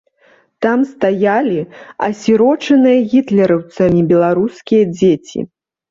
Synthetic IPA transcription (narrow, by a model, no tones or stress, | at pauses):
t̪amst̪ajalʲiɐ̰sʲiɾɔt͡ʂɐnɨjɐɣʲit̪lʲɛɾɐwt̪sɐmʲibʲɛlˠaɾuskʲijɐd͡zʲet͡sʲḭ